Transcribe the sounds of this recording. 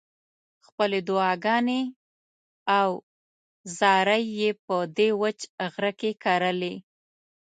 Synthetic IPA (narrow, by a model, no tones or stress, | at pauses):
xpəled̪ʊɑɡɑne | aw | zɑɾəjːepəd̪ewət͡ʃɣɾəkekaɾəle